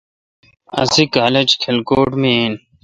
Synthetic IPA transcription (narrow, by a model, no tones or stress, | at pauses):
ɐ̰sikaːled͡ʑkʰelkoːʈmien